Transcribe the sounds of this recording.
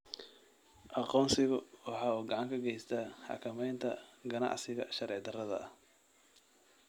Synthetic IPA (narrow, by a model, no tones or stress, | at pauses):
ʔɑqɔːnsɪɣʊwɑħɑːuːɡɑʕɑŋkʰɐɡɛjst̪ʰaːħɑ̰kʰɐmɛjnt̪ʰɐɡɐnɑ̰ʕsɪɣɐ̰ʃɐɾɛːʕd̪ɐrɐðɐ̰h